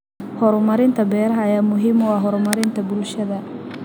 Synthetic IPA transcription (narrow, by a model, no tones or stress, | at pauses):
hɔɾmɐɾɪnt̪ʰɐbɛːɾɐɦɐjaːmʊɦiːmɔwɑːɦɔɾmɐɾɪnt̪ʰɐbʊlʃɐðɐ